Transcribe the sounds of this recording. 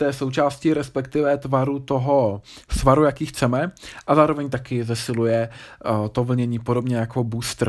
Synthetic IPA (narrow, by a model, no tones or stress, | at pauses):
t̪ɛːso̞wt͡ʃaːscɪɾɛspɛkt̪ɪvɛt̪vaɾut̪o̞ɦo̞svaɾujakiːxt͡sɛmɛʔazaːɾo̞vɛɲt̪akɪzɛsɪlujɛt̪o̞vl̩ɲɛɲiːpodo̞bɲɛjako̞buːst̪ɾ̩